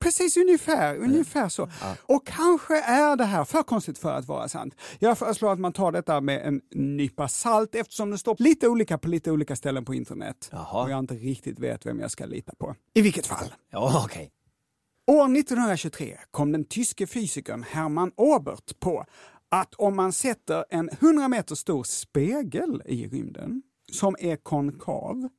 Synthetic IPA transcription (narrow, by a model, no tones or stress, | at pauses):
pʰɾɛsiːsɵnjəfæːɾɵnjəfæːʂɔɔkʰːanɧəʔæɖɛɦæːɾfœːɾkʰɔnst̪ɪt̪fœɾa̰t̪vɑ̰ːɾa̰sa̰nt̪jɑːɡfœːɾəʂloːɡat̪mant̪ʰɑːɖɛt̪ːamɛʔɛ̰nːyːpasalt̪ɛft̪ə̥ʂɔmd̪ɛst̪oːliːt̪əuːliːkapʰɔliːt̪əuːliːkast̪ɛlːənpʰɔɪnt̪əɳɛ̰t̪hɔjaɪnt̪əɾɪk̚t̪ɪt̪vḛːt̪vɛ̰mja̰ska̰lḭːt̪ḁpʰɔ | ɪvɪlkːət̪fa̰lːɑkʰɛ | oːɾnɪt̪ːɔnhɵnɾaɕɵt̪ʰɾḛːkʰɔmd̪ɛnt̪ʰʏskəfyːsɪkə̰nhæɾmanoːbə̰ɾʈpʰɔ | ʔat̪ʰɔmːansɛt̪ːəɾɛnhɵnd̪ɾameːt̪əʂt̪uːɾspeːɡəlɪ̰ɾʏ̰md̪ə̰n | sɔmæɾkʰɔnkʰɑ̰ːv